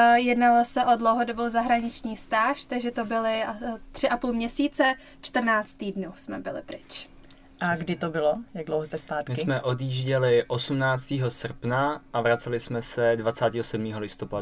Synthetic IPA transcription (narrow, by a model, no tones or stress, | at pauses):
jɛdnalosɛʔo̞dlowɦodobowzaɦɾaɲɪt͡ʃɲiːst̪aːʃt̪aɡʒɛt̪obɪlɪt̪r̝̥ɪʔapuːlmɲɛsiːt͡sɛ | t͡ʃt̪r̩naːt͡st̪ːiːdnuːsmɛbɪlɪ̰pɾɪt͡ʃ | ʔaɡdɪt̪obɪlojaɡ̚dlowɦozt̪ɛspaːt̪mɪsɪmɛʔo̞d̪jiʒɟɛlɪʔosumnaːt͡st̪iːɦo̞sr̩pnaʔavɾat͡sɛlɪsmɛsɛdvat͡saːt̪iːɦosɛdmiːɦolɪst̪opadu